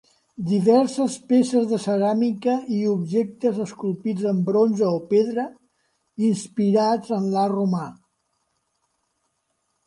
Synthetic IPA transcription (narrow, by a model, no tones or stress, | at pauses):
d̪iβɛɾsəspesəzðəsəɾamikəiubʒek̚t̪əzəskulˠpid͡zəmbɾonzəɔpeðɾə | inspiɾad͡zənlaruma